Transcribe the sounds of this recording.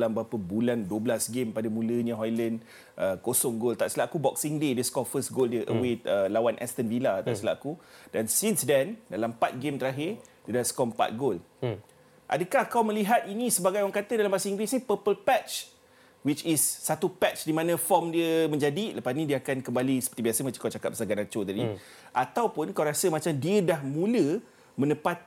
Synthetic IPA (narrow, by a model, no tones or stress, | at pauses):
lambəɦapəbulanduəblasɡempadamũlənãɦɔjlən | ʔəkosɔŋɡolt̪aʔsəlaakubɔksiŋdedəskɔfəsɡoldiəʔə̰wet̪əlawanʔɛ̰st̪ənvilat̪a̰səla̰kudansinsdɛndalampat̪̚ɡemt̪əɾaɦɪrdiədaskɔmpa̰t̪̚ɡol | ʔa̰dəkahkawmə̃liɦat̪̚inĩsəbaɡajwaŋkat̪ədalambasəiŋɡwɪsnĩpəpəlpɛt͡ʃ | wit͡ʃisːat̪upɛtt͡ʃdimãnãfɔmdiəmə̃ɲd͡ʒadiləpasnidiəakankəmbalisəpət̪ibiasəmat͡ʃakawt͡ʃakat̪̚bəsaɡanat͡ʃot̪adi | ʔat̪awpʊnkawɾasəmat͡ʃamdiədahmũlə | mə̃nəpat̪̚